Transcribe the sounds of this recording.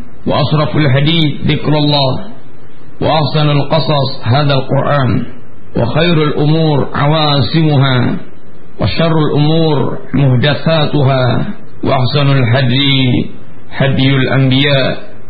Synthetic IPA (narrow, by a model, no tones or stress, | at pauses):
wɑ̰ʔɑʃɾˤɑfalħad̪iːθðɪkɾɑlˤːɑː | wɑ̰ʔɑħsanalqɑsˤɑsˤɦaːðalqʊɾʔaːn | wɑ̰xajɾalʔʊmuːɾʕa̰waːsɪmʊɦaː | wa̰ʃɑrˤːalʔʊmuːɾ | mʊhd̪aθaːt̪ʊɦaː | wa̰ʔaħsanalħad̪ | ħad̪jalʔa̰mbɪjaːʔ